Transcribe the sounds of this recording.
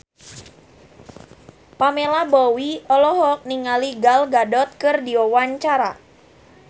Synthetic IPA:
pamelabɔwiɔlɔɦɔk̚niŋaliɡalɡadɔt̪̚kɨrdiɔwaɲt͡ʃaɾa̰

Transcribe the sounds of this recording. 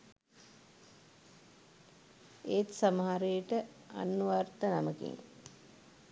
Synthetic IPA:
eːt̪saməɦaɾejəʈə | a̰nːuʋart̪ənaməkḭŋ

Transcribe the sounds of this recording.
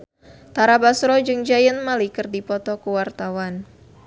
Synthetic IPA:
t̪aɾabasɾɔd͡ʒɨŋd͡ʒajənmalikɨrdipɔt̪ɔkuwart̪awan

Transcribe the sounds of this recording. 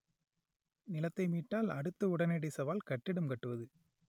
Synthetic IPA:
nɪlɐt̪ːɐɪmiːʈːaːlɐɽɯt̪ːɐʊɽɐnɛɽɐɪsɐʋaːlkɐʈːɪɽɯmkɐʈːɯʋɐðɯ

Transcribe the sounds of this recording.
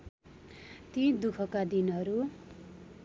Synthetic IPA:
t̪id̪ukʰʌkad̪inɦʌɾu

